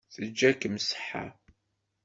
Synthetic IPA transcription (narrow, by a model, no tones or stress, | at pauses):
θəd͡ʒːækəmsə̥ħa̰